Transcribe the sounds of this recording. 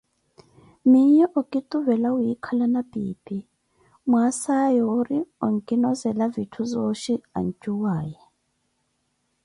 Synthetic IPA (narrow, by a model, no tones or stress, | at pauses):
miɲɛʔɔkʼituvɛlaujikʰalanapʼḭːpʼi | mwasajɔːɾiɔŋkʼinɔzɛlavitʰuzɔʃia̰nt͡ʃʼuwaːjɛ